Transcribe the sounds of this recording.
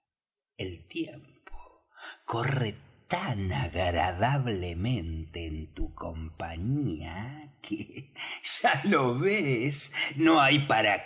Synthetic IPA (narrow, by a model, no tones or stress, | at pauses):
elt̪jempʰo̥ | koret̪anaɣɾaðaβlemẽnt̪eːnt̪ukʰo̞mpaɲiakʰeʒ̥aloβesnoajpaɾa